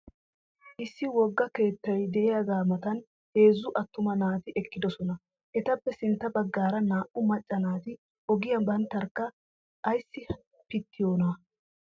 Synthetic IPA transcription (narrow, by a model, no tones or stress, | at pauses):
ʔɪsːɪwɔɡːɐke̞ːt̪ːɐjd̪ɛʔɪjaɡaːmɐt̪ɐn | he̞ːzːʊʔɐt̪ːʊmɐnaːt̪ɪʔɛkːɪd̪ɔsɔnɐ | ʔɛt̪ɐpːɛsɪnt̪ːɐbɐɡːaːɾɐnaːʔʊmɐt͡ʃʼːɐnaːt̪ɪ | ʔɔɡɪjɐbɐnt̪ːɐɾkːɐ | ʔːjsːɪ | pɪt̪ːɪjo̞ːnɐ